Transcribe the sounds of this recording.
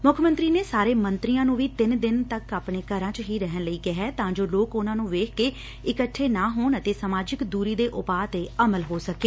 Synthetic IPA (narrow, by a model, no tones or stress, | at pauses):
mʊkʰmə̃nt̪ɾiːneːsaːɾeːmə̃nt̪ɾijãːnũːʋiːt̪ɪnd̪ɪnt̪əkaːpɳeːkəɾãːt͡ʃɦiːɾɛɦənləiːkɪɦɛːt̪ãːd͡ʒoːloːkʊnãːnũːʋeːkʰkeː | ɪkəʈʰːeːnaːɦoːnət̪eːsəmaːd͡ʒɪkd̪uːɾiːd̪eːʔʊpaːt̪eːəməlɦoːsəkeː